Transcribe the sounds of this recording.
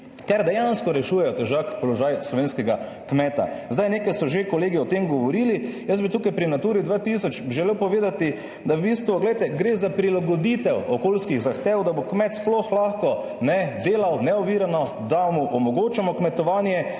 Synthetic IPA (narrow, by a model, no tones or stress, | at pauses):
kɛɾd̪ɛjanskɔɾɛʃuːjɛjɔt̪ɛʒakpɔlɔʒajslɔʋeːnskɛɡa | kmɛt̪a̰zd̪ajneːkajsɔʒekɔleːɡiɔt̪emɡɔʋɔɾiːlijəsbit̪uːkajpɾinat̪uːɾid̪ʋaːt̪isɔt͡ʃbʒɛlewpɔʋeːd̪at̪i | d̪awbist̪ʋuɡlɛjt̪ɛɡɾeːzapɾilaɡɔd̪it̪ɛwɔkolskiɣzaxt̪eːwd̪abokmɛt̪splɔxlaxkɔ | nɛd̪eːlawnɛɔʋiːɾanɔ | d̪amuʔɔmɔɡoːt͡ʃamɔkmɛt̪ɔʋaːnjɛ